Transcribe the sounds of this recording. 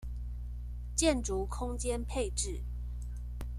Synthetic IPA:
t͡ɕjɛ˥˨nʈ͡ʂu˨˦kʰʊ˦ŋt͡ɕjɛ˦npʰe˥˨ɪʈ͡ʂɻ̩˥˨

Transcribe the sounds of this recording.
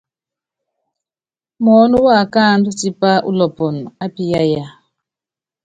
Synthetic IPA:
mɔ˨˦nu˦wa˦˨ka˦˨ndu˦ti˦pa˦ʔṵ˦lɔ˨pɔ˨n˨a˦pi˦ja˦ja˦

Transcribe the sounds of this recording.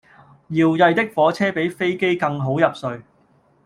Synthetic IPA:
jiː˨˩wjɐ˨jt̪ɪ˥k̚fɔː˨˥t͡sʰɛː˥pe˨˥jfe˥jke˥jkɐ˧ŋɦo˨˥wjɐ˨p̚sɵ˧ɥ

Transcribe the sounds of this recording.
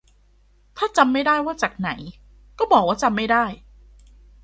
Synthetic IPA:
t̪ʰaː˥˩t͡ɕa˧mːa˥˩jdaː˥˩jwaː˥˩t͡ɕaː˨˩k̚na˩˦j | kɔː˥˩bɔː˨˩k̚waː˥˩t͡ɕa˧mːa˥˩jdaː˥˩j

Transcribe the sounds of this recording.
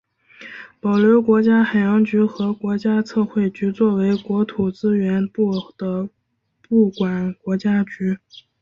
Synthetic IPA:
pɑ˨˩ʊljo˧˥ʊkwɔ˧˥t͡ɕja˥xa˨˩ɪjɑ˧˥ŋt͡ɕy˧˥xɤ˧˥kwɔ˧˥t͡ɕja˥t͡sʰɤ˥˧xwe˥˩ɪt͡ɕy˧˥t͡swɔ˥˩we˧˥ɪkwɔ˧˥t̪ʰu˨˩t͡sɹ̩˥ɥɛ˧˥npu˥˩d̪̥ə˦ | pu˥˩kwa˨˩nkwɔ˧˥t͡ɕja˥t͡ɕy˧˥

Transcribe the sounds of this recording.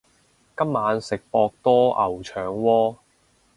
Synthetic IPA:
kɐ˥mːaː˨˧nsɪ˨k̚pɔː˧k̚t̪ɔː˥ʔɐ˨˩wt͡ʃʰœː˨˧ŋwɔː˥

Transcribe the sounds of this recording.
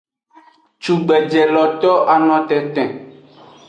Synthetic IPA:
t͡ʃu˨ɡ͡bɛ˨d͡ʒɛ˨lɔ˨t̪ɔ˦ʔa˨nɔ̃˨t̪ɛ̃˨t̪ɛ̃˨

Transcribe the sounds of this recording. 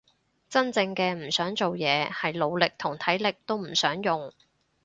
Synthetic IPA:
t͡sɐ˥nt͡sɪ˧ŋkɛː˧m̩˨˩sœː˨˥ŋt͡so˨wjɛː˨˧hɐ˨jlo˨˧wlɪ˨k̚t̪ʰʊ˨˩ŋt̪ʰɐ˨˥jlɪ˨k̚t̪o˥wm̩˨˩sœː˨˥ŋjʊ˨ŋ

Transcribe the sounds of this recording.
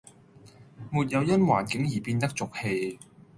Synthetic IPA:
muː˨t̚jɐ˨˧wjɐ˥nwa̰ː˨˩nkɪ˨˥ŋjiː˨˩piː˧nt̪ɐ˥k̚t͡sʊ˨k̚he˧j

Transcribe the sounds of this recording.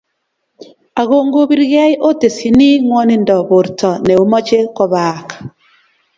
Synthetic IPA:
a˨ɣo˦˨ŋɡo˦bi˦ɾɣa˦jʔo˦te˨si˨ni˦ŋwɔ˦ni˦ndɔ˨bo˨ɾtɔ˨nɛ˨o˦mɔ˦t͡ʃe˦kɔ˦βaː˨k

